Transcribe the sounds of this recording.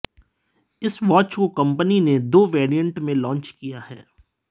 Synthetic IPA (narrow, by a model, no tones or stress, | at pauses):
ɪsʋaːt͡ʃkokɐ̃mpənined̪oːʋeːɾijə̃ɳʈmẽlɔ̃ːnt͡ʃkijaɦɛ̰ː